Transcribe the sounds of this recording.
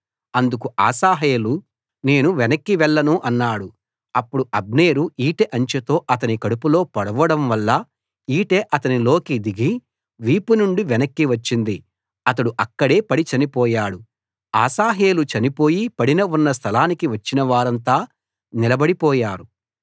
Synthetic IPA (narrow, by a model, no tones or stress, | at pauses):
ɐnd̪ukuʔaːsaːɦeːlu | ne̞ːnuʋɛnɐkːiʋɛɭːɐnuʔɐnːaːɽu | ɐpːuɽuʔɐb̚ne̞ːɾuiːʈeʔɐɲt͡ʃet̪o̞ːʔɐt̪ɐnikɐɽupulo̞ːpɐɽɐʋɐɽɐmʋɐlːɐ | iːʈe̞ːʔɐt̪ɐnilo̞ːkid̪iɡi | ʋiːpunuɳɖiʋɛnɐkːiʋɐt͡ʃːind̪i | ɐt̪ɐɽuʔɐkːɐɽe̞ːpɐɽit͡ʃɐnipɔːjaːɽu | a̰ːsaːɦe̞ːlut͡ʃɐnipo̞ːjipɐɽinɐunːɐs̬t̪ʰɐlaːnikiʋɐt͡ʃːinɐʋaːɾɐnt̪aː | nilɐbɐɽipɔːjaːɾu